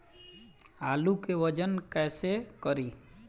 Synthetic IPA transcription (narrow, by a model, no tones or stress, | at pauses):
aːlukeʋəd͡ʒənkɛːsekəɾiː